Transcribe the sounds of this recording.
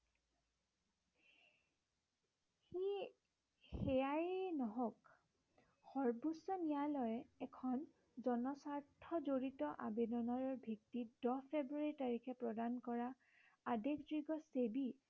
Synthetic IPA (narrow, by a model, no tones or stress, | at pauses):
i | xɛjanɔɦɔk | xɔɹbusɔnijalɔjɛɛkʰɔn | zɔnɔsaɹtʰɔzoɹitɔʔabedɔnɔɹɔɹbʱiktidɔpʰebɹuaɹitaɹikʰɛpɹɔdankɔɹaː | dekʰdɹiɡɔsebi